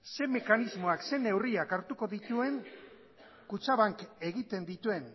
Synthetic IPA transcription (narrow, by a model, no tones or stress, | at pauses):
se̞me̞kanizmo̞akse̞ne̞wriakaɾt̪uko̞ðit̪ue̞ŋ | kut͡saβaŋke̞ɣit̪e̞nd̪it̪ue̞n